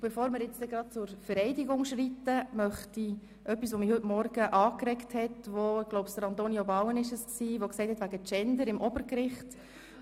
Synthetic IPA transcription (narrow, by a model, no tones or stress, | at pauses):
b̥ɛfoːɾmɪɾjɪt͡sd̥ɛɡɾɑt̚t͡sʊɾfəɾɛɪdiɡʊŋʃɾitəmœχti | ʔœpːisʋomihɵtmɔɾɡəʔɑːkɾɛkthɛtʋoɪɡloʊpstəɾɑnt̪oniobɑwənɪʃəsksiːʋoksɛɪthɛt̪ʋæɡət͡ʃɛndəɾɪmʔɔbəɾkɾɪχt